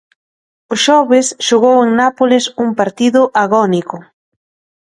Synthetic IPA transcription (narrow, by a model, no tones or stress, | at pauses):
ʊʃɔβɪsʃoɣoweŋnapolɪsuŋpaɾt̪iðʊʔaɣɔnikʊ